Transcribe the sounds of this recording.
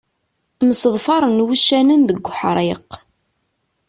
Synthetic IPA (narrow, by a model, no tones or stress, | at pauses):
məsəðˤfɑɾˤənwuʃːænənðəɡʷħɾˤeq